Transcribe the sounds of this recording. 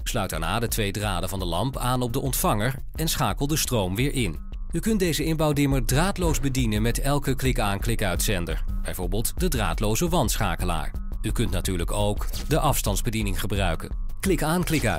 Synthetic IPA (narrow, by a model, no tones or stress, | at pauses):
slœɥt̚d̥a̰ɹna̰ːdətʋejdra̰ːdəvɑndəlɑ̰mpaːnɔb̚dəʔɔntfɑŋəɹ | ɛnsχaːkəlˠdəstrowmʋɪːɹʔɪn | ykɵnt̚dejzəɪnbɑwdɪməɹdraːtlowzbədinənmɛtɛlˠkəklɪkaːnklɪkœɥtsɛndə̰ɹb̥ɛjvʊɹbəlˠtdədra̰ːtlowzəʋɑnsχa̰ːkəla̰ːɹ | ykɵntnatyːɹləkowk | dəʔɑfstɑndzbədinɪŋχəbrœ̰ɥkə̰n | klɪkaːnklɪkə̰